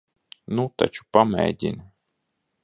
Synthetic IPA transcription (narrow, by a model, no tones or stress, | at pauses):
nut̪a̰t͡ʃu̥pamʲɛ̰jd̪ʲḭn